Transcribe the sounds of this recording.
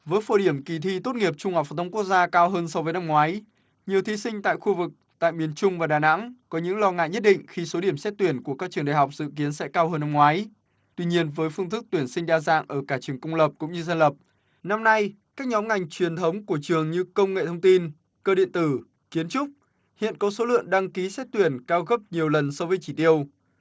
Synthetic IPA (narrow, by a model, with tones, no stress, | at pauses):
vəː˨˦jfo˧˩ɗi˧˩əmki˨˩t̪ʰi˧t̪o˦˥t̚ŋi˨˩əp̚t͡ɕʊ˧ŋ͡mha˨˩k͡p̚fa˨˩t̪ʰŋ͡mku˦˥ək̚zaː˧kaː˧wɦəː˧nsɔ˧wvəː˨˦jna˧mŋwaː˨˦j | ɲi˨˩əwt̪ʰi˨˦sï˧ŋ̟t̪a̰ː˧˨jxu˧vɨ˨˩k̚t̪a̰ː˧˨jmi˨˩ənt͡ɕʊ˧ŋ͡mvaː˨˩ɗaː˨˩na̰˧˥ŋkɔ˨˦ɲɨ̰˧˥ŋlɔ˧ŋa̰ː˧˨jɲə˦˥t̚ɗḭ˧˨ŋ̟xi˧so˨˦ɗi˧˩əmsɛ˦˥t̚t̪wi˧˩ənku˧˩əkaː˦˥k̚t͡ɕɨ˨˩əŋɗa̰˧˨˩ɦa˨˩wk͡p̚zɨ̰˧˨ki˨˦ənsɛ̰˧˥kaː˧wɦəː˧nːa˧mŋwaː˨˦j | t̪wi˧ɲi˧ənvəː˨˦jfɨ˧ŋt̪ʰɨ˦˥k̚t̪wi˧˩ənsi˧ŋ̟ɗaː˧za̰ː˧˨ŋʔəː˧˩kaː˧˩t͡ɕɨ˨˩əŋkʊ˧wŋ͡mlə˨˩p̚kʊ̰˧˥ŋ͡mɲɨ˧zə˧nlə˨˩p̚ | na˧mna˧j | kaː˦˥k̚ɲɔ˨˦mŋa˨˩jŋ̟t͡ɕwi˨˩ənt̪ʰə˨˦wŋ͡mku˧˩ət͡ɕɨ˨˩əŋɲɨ˧kə˧wŋ͡mŋḛ˧˨t̪ʰə˧wŋ͡mt̪i˧n | kəː˧ɗḭ˧˨ənt̪ɨ˧˩ | ki˨˦ənt͡ɕʊ˦˥k͡p̚ | hḭ˧˨ənkɔ˨˦so˨˦lɨ̰˧˨əŋɗa˧ŋki˨˦sɛ˦˥t̚t̪wi˧˩ənkaː˧wɣə˦˥p̚ɲi˨˩əwlə˨˩nsɔ˧wvəː˨˦jt͡ɕi˧˩t̪i˧əw